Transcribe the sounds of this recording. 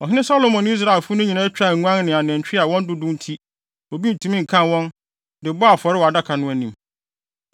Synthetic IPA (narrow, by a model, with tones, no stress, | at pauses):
ɔ˨ɦɪ˦nɪ̃˦sa˦lo˨mɔ̃˨n˦i˦s̬ɾa˨ɪ˨lfʊ˦nʊ̃˦ɲĩ˨nã˦t͡ɕᶣa˦˨ŋ˨ŋʷ˦ã˦n˦nɪ̃˨a˨n˨ɛ̃˨t͡ɕᶣɪ˦a˨wɔ̃˦n˦dʊ˦dʊ̃˦n˦tʰi˦ | o˨bi˦n̩˨tʰũ˦mĩ˦ŋ̩˨kʰã˦nwɔ̃˦n | dɪ˨bɔ˦a˨fɔ˨ɾɪ˦wɔ˨a˨da˦kʰa˨nʊ̃˦æ˦nĩ˨m